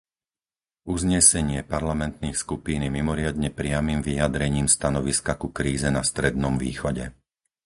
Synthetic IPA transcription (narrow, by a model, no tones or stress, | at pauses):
uzɲɛsɛɲɪɛpaɾlamɛnt̪niːxskupiːnimimɔɾɪad̪ɲɛpɾɪamiːmʋijad̪ɾɛɲiːmst̪anɔʋiskakukɾiːzɛnast̪ɾɛd̪̚nɔmvḭːxɔɟɛ̰